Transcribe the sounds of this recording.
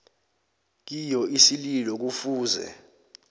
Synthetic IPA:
k̬ijɔʔisililɔk̬ufuːzɛ̰

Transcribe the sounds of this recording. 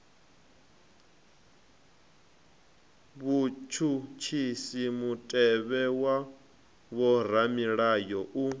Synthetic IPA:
βut͡ʃʰut͡ʃʰisimutʼɛβɛwa | βɔɾ̤amiɺajɔʔu

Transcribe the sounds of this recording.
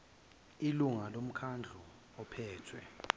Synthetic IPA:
iluŋalom̩kʰand͡ɮʱu | ɔpʰɛːtʰwɛ

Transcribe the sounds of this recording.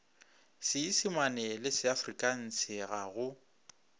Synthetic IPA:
sɪisɪmanɛlɪsɪafrikʼan̩sɪɣaɣʊ

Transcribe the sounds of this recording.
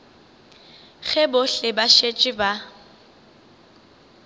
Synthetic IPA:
ɣɛbʊɬɪbaʃet͡ʃʼɪba

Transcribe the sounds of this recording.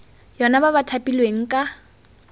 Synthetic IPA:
jɔnabaβatʰapʼilweŋ̩kʼa

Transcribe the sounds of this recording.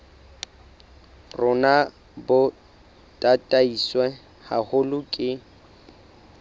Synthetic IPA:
rʊna | bʊ | tʼatʼaiswɛ | hahʊlʊkʼɪ

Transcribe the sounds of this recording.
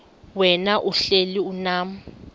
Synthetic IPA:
wɛnaʔuɬeliunaːm̩

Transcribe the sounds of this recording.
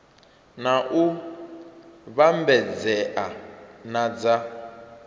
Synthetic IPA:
naʔu | βambɛd͡zɛʔanad͡za

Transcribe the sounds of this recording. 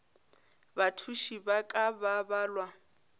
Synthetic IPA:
batʰuʃibakʼababaːlwa

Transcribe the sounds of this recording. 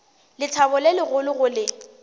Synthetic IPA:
lɪtʰabʊlelɪɣʊlʊɣʊlɪ

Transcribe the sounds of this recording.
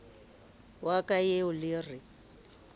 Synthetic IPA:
wakʼajeʊlɪrɪ

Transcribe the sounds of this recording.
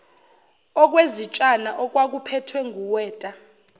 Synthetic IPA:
ɔk̬wezit͡ʃʼanaʔɔk̬wak̬upʰɛtʰwɛŋʱuwɛːtʼa

